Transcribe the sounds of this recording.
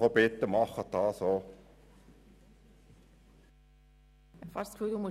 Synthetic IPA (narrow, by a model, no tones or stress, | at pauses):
obɪt̪ːəmɑχət̪ɑːso | fɑskʰud̪umʊ